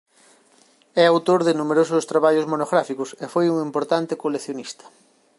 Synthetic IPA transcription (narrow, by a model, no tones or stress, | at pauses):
ɛawt̪oɾðɪnumeɾosʊst̪ɾaβaʎʊzmonoɣɾafikʊsefojuŋimpoɾt̪ant̪ɪkoleθjonist̪ɐ̥